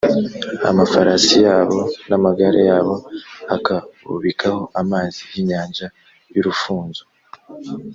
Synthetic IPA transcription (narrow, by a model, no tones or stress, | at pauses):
a̰mafaɾasijaːβo̞namaɡaɾajaːβo̞akaβṵβikʰaho̞ʔamaːzijiɲaːɲʒa | juɾufuːnzo